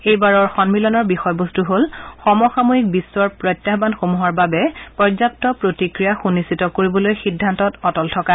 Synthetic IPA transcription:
ejbaɹɔɹxɔnmilɔnɔɹbixɔjbostuɦolxɔmɔxamoɦik̚bisːwɔɹpɹɔjtːjabanxomuɦaɹbabɛpɔzap̚tɔpɹotikɹijaxunisitɔkoɹibɔlojxidʱːantɔtɔtɔltʰɔka

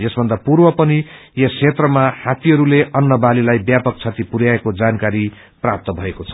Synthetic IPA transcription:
jesbʱʌnd̪apurbʌpʌni | jʌsʰet̪rʌmahat̪iɦʌɾuleʔʌnːʌbalilajbjapʌk̚t͡sʰat̪ipuɾjaekod͡zankaɾi | prap̚t̪ʌbʱʌekot͡sʰʌ

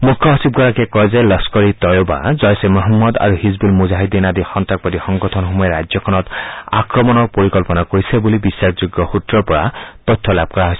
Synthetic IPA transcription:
mukʰjɔɦɔsib̚ɡʱɔɹakɛkɔzɛlɔskɔɹit̪ɔjoba̰zɔjsemɔɦɔmːɔd̪a̰ɹuhizbulmuzaɦid̪inad̪ixɔnt̪ak̚pɔt̪ixɔŋɡɔt̪ʰɔnxɔmɔjɔɾajzjɔkʰɔnɔt̪a̰kɹɔmɔnɔɹpoɹikɔlpɔnakoɹisɛbulibisːakʰzuɡːɔxut̪ːɹɔpɔɹa̰t̪ɔt̪ʰːɔlab̚kɔɹaɦojsɛ

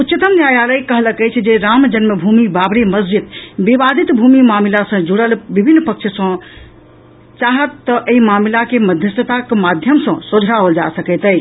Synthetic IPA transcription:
ut̪ːt͡ʃit̪əmnjajaləjkəɦləkəjt͡ʃʰd͡ʒeɾamd͡ʒənməbʱumibabɾiməs̬d͡ʒid̪bibad̪it̪bʱumimamilasə̃d͡ʒuɽəlbibʱinːpəkt͡ʃʰsə̃ | t͡ʃaɦət̪ːəʔəimamilakeməd̪ʱjəst̪ət̪akmad̪ʱjəmsə̃sod͡ʒʱɾaəld͡ʒasəkɛt̪ɛjt͡ʃʰ

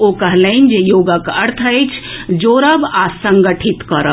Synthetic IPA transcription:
okəɦləɪnd͡ʒejoɡəkəɾt̪ʰəejt͡ʃʰd͡ʒoɾəbasəŋɡəʈʰit̪kəɾə

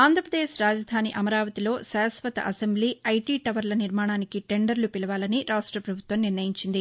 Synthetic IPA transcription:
aːnd̪ʱɾɐpɾɐd̪eːʃɾaːd͡ʒɐd̪ʱaːniʔɐmɐɾaːʋɐt̪ilo̞ːʃaːsʋɐt̪ɐ̰ʔɐsembliːɐjʈiːʈɐʋɐɾlɐniɾmaːɳaːnikiʈe̞ɳɖɐɾlupilɐʋaːlɐniɾaːʂʈɾɐpɾɐbʱut̪ʋɐmniɾnɐjiɲt͡ʃind̪i

